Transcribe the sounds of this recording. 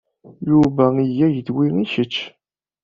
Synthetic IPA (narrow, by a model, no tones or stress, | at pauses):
juvæijːæjəd̪wiiçət͡ʃː